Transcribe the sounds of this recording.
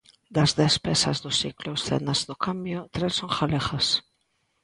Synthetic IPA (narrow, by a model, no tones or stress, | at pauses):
d̪azðespesa̰zðʊsiklʊsθḛnazðʊkambjot̪ɾesːoŋxalexas